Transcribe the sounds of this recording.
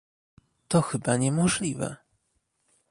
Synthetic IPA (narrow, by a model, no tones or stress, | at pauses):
t̪ɔxɘbaɲɛmɔʐlʲivɛ̰